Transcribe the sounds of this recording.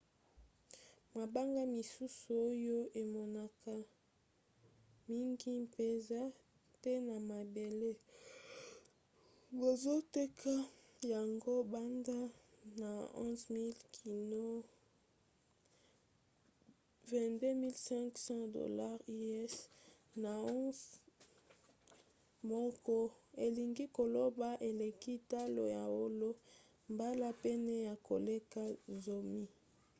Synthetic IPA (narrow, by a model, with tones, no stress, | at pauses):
ma˨ba˦ŋɡa˦mi˨su˦su˨o˦jo˦ʔe˨mɔ˨na˨ka˨ | mi˦ŋɡi˦mpe˨za˦ | te˦na˨ma˨be˨le˦ | bo˨zo˦te˦kʰa˦ | ja˨ŋɡo˦ba˦nda˦ | na˨ɔ̰̃˦zmi˦lkʰi˨no˦ | vɛ̃˨de˦mi˦lsɛ̃˦ŋksɑ̃˦do̰˨la˦ʁi˦ɛ˦s | na˨ɔ̃˦z | mɔ˦kɔ˦e˨li˨ŋɡi˦ko˨lo˦ba˦ʔe˨le˨ki˦ta˦lo̰˨ja̰˨o˦lo˦ | mba˦la˦pɛ˦nɛ˦ja˨ko˨le˦ka˦zo˨mi˦